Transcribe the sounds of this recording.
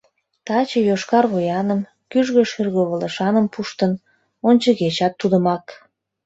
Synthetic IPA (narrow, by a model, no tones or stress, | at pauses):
t̪ɑt͡ɕəjoʃkɑrɣojɑnəm | kyʒɣə̆ʃyrɣoβələʃɑnəmpuʃt̪ən | onʲt͡ɕəɣet͡ɕɑt̪ːud̪əmɑk